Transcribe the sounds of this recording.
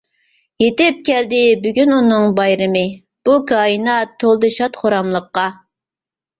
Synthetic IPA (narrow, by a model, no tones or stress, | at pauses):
jet̪ɪp̚kʲʰɛld̪ɪbyɡʲynunɨŋbɑjɾɨmɨ | b̥ukʰɑːɨnɑt̪ʰːolˠd̪ɨʃɑt̪χoɾɑmlˠəqːɑ